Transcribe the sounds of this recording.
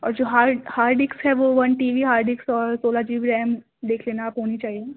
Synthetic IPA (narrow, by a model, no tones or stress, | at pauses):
ɔ̰ːɾd͡ʒoːɦaːɾhaːɾɖɪksɦɛʋoʋɐnʈiːʋiɦaːɾɖɪksɔːɾsoːlad͡ʒiːɡɾɛːm | d̪eːkʰleːnaːpɦoːnit͡ʃaːɦie